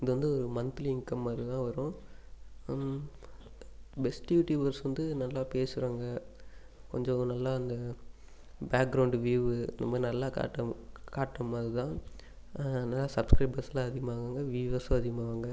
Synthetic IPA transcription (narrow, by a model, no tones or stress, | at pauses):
ɪðɯʋɐnd̪ɯɔɾɯmɐnt̪lɪŋkɐmɐðɯt̪ãːʋɐɾʊ̃ | bɛsʈjuːʈjiːbɐɾsʋɐnd̪ɯnɐlːaːpeːsɯɾaːŋɡɐ | kɔɲd͡ʒɔ̃nɐlːaːɐnd̪ɐ | baːk̚ɡɾɐʊɳɖʋiːʋɯnɐ̰mːɐnɐlːaːka̰ːʈːɐkaːʈːɐmaːðɯt̪ãː | nɐlːaːsɐbskɾɐɪbɐɾsɐlãːɐðɪɣɐmaːʋɡaːŋɡɐʋiːʋɐsɐɐðɪɣɐmaʋaːŋɡɐ